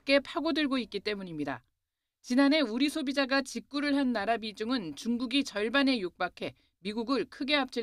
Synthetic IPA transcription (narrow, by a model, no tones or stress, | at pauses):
k͈e̞pʰaɡodɯɭɡoik͈it͈e̞muɲimɲida̰ | t͡ɕinane̞uɾisʰobid͡ʑaɡat͡ɕik̚k͈uɾɯɭɦanːaɾabid͡ʑuŋɯnt͡ɕuŋɡuɡit͡ɕʌɭbane̞jok̚p͈akʰe̞ | miɡuɡɯɭkʰɯɡe̞ap̚t͡ɕ͈i